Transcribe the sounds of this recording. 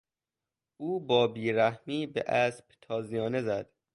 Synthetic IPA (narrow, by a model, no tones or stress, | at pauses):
ʔuːbɒːbiːɾæhmiːbḛʔæsb̥t̪ʰɒːzijɒːnezæd̪̥